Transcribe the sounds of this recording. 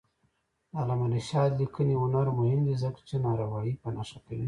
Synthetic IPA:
alamaniʃɑd̪likəniʊnaɾmʊhɪmd̪izəkt͡ʃenɑɾawɑjipənaʂakewi

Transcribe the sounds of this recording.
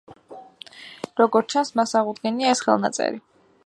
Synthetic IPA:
ɾɔɡɔɾt͡ʃʰansmasaʁud̪ɡɛniaɛsχɛ̰lˠna̰t̪sʼɛ̰ɾi

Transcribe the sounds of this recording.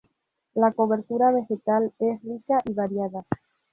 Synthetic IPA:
lako̞βe̞ɾt̪uɾaβ̞e̞xe̞t̪ale̞srikaʔiβaɾjaða

